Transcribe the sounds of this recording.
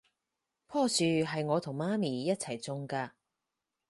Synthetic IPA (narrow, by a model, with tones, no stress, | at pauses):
pʰɔː˥syː˨ɦɐ˨jŋɔː˨˧t̪ʰʊ˨˩ŋmaː˥miː˨˩jɐ˥t̚t͡sʰɐ˨˩jt͡sʊ˧ŋkaː˧